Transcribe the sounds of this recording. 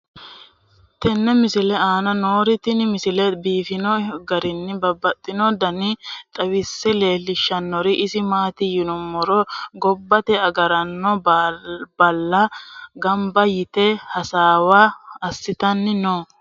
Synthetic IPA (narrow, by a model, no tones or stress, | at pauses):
t̪ɛnːɛmɪsɪlɛaːnɐnoːɾɪt̪ɪnɪmɪsɪlɛbiːfɪnɔɡɐɾɪnːɪbɐbːɐt̪ʼːɪnɔd̪ɐnɪt̪ʼɐwɪsːɛle̞ːlːɪʃːɐnːɔɾɪʔɪsɪmaːt̪ɪjɪnɔmɔɾɔɡɔbːɐt̪ɛɐɡɐɾɐnːɔbbɐlːɐɡɐmbɐjɪt̪ɛhɐsaːwaɐsːɪt̪ɐnːɪno